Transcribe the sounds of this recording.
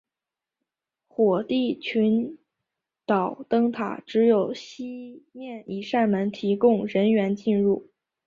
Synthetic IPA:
xwɔ˨˩t̪i˥˩t͡ɕʰy˧˥n | t̪ɑ˨˩ʊt̪ɤ˥ŋt̪ʰa̰˨˩ʈ͡ʂɻ̩˧˥jo˨˩ʊɕi˥mjɛ˥˩nʔi˨˩ʂa˥˩nmə˧˥nt̪ʰi˧˥kʊ˥˧ŋɻə˧˥nɥɛ˧˥nt͡ɕi˥˧nɻu˥˩

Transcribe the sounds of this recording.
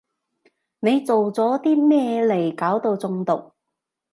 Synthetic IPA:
ne˨˧jt͡so˨wt͡sɔː˨˥t̪iː˥mɛː˥le˨˩jkaː˨˥wt̪o˧wt͡sʊ˧ŋt̪ʊ˨k̚

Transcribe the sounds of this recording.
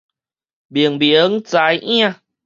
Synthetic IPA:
bi˨əŋbi˨˦ŋt͡sa˨˧˦jʔĩ˦ã˧˨

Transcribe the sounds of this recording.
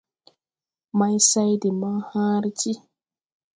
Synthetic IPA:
ma˦jsa˦jdi˨ma˦hãː˦ɾt͡ʃi˦

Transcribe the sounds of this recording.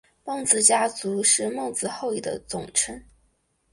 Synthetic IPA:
mɤ˥˩ŋt͡sɹ̩˨˩t͡ɕja˥t͡su˧˥ʂɻ̩˥˧mɤ˥˧ŋt͡sɹ̩˧xo˥˧ʊi˨˩d̪ə̰˦t͡sʊ˨˩ŋʈ͡ʂʰə˥ŋ

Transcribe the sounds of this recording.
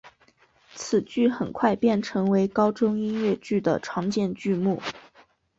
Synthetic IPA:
t͡sʰɹ̩˨˩t͡ɕy˥˩xə˨˩nkʰwa˥˧ɪpjɛ˥˩nʈ͡ʂʰɤ˧˥ŋwe˧˥ɪkɑ˥ʊʈ͡ʂʊ˥ŋi˥nɥɛ˥˧t͡ɕy˥˩d̪ə̰˩ʈ͡ʂʰwɑ˧˥ŋt͡ɕjɛ˥˧nt͡ɕy˥˧mu˥˩

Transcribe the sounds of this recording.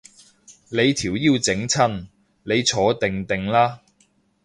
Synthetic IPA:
le˨˧jt̪ʰiː˨˩wjiː˧wt͡sɪ˨˥ŋt͡sʰɐ˥n | le˨˧jt͡sʰɔː˨˧˥t̪ɪ˨ŋt̪ɪ˨ŋlaː˥

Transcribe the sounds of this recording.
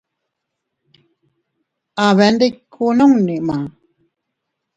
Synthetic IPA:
a˨βɛ˨ndi˦kʰːu˦˨nɔ˦ŋni˨ʔma˨

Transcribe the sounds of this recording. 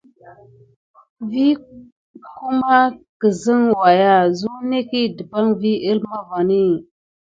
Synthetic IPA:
vi˦ | ku˦ma˦kə˨zi˦ŋwa˨ja˦zu˦ne˦ki˦də˨ba˦ŋvi˦ʔi˦lma˦va˨ni˦˨

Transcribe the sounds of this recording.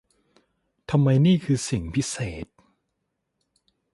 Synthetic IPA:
t̪ʰa˧mːa˧jniː˥˩kʰɯː˧si˨˩ŋpʰi˦˥seː˨˩t̪̚

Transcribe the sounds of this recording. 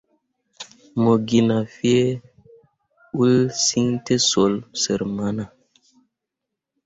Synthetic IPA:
mo˨ɡi˨na˨fi˦e˦ | u˦lsi˦ŋte˦so˨˦lsə˨ɾma˦na˨

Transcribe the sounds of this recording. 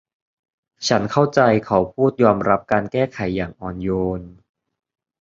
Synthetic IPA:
t͡ɕʰa˦˥nkʰa˥˩wt͡ɕa˧jkʰa˦˥wpʰuː˥˩t̪̚jɔː˧mɾa˦˥p̚kaː˧nkɛː˥˩kʰa˩˦jːaː˨˩ŋʔɔː˧njoː˧n

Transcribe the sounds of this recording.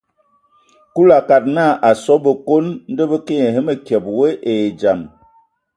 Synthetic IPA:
ku˦la˨ka˨t̚na˦˨ʔa˨sɔ˦bə˨ko˦nn̩˦də˦bə˦ke˦ɲe˨ɦə˦mə˨kjɛ˨p̚we˦ʔe˨d͡ʒa˨m

